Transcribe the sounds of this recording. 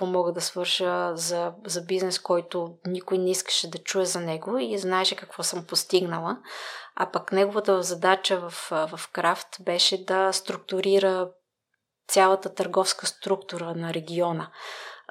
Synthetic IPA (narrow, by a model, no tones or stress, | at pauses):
ɔmɔɡəd̪ɐsvɤɾʃəzɐzɐbiznɛskɔjt̪ʊnikojnɛiskə̥ʃɛd̪ɐt͡ʃuɛzɐnɛɡoiznaɛʃɛkɐkvɔsəmpost̪iɡnəlˠəa̰pɐknɛɡovət̪əvɐvzɐd̪at͡ʃəvɐfvɐfkɾaft̪bɛʃɛd̪ɐst̪ɾuk̚t̪ʊɾiɾə | t̪sʲjalˠɐt̪ət̪əɾɡɔfskəst̪ɾukt̪uɾənɐɾɛɡʲiɔnə